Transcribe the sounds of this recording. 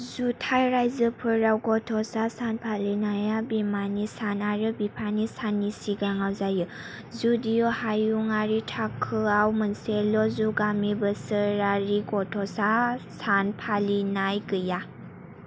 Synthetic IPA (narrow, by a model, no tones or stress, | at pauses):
zutʰajɾajzəpʰɯɾawɡɔtʰɔsasanpʰalinajabimanisanaɾɯbipʰanisanisiɡaŋawzajɯ | zudijɔhajuŋaɾitʰakʰːɯawmənselɔzuɡamibəsəɾaɾiɡɔtʰɔsasanpʰalinajɡɯja